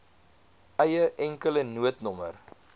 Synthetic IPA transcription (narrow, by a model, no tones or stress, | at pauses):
ɛjəʔɛŋkələnuətnɔmər